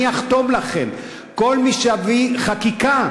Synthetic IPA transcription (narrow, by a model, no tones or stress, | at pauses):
iaχt̪o̞mlaχem | ko̞lmiʃeaviχakika